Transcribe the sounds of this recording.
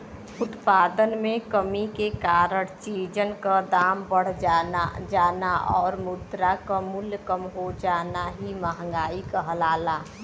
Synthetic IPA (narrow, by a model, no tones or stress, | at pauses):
ʊt̪paːd̪ənmẽkəmikekaɾəɽt͡ʃid͡ʒənkad̪aːmbəɽ̤ | d͡ʒaːnaʔɔːɾmud̪ɾakəmuljkəmɦod͡ʒaːnaɦiməɦəŋɡaːikəɦlaːla